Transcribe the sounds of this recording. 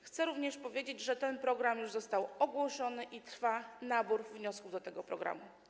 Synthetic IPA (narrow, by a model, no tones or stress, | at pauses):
xt̪sɛɾuvɲɛʂpɔvʲjed͡ʑed͡ʑʐɛt̪ɛnpɾɔɡɾamjuʐzɔst̪awɔɡwɔʂɔnɘʔit̪ɾfanabuɾvɲɔskuvd̪ɔt̪ɛɡɔpɾɔɡɾa̰mu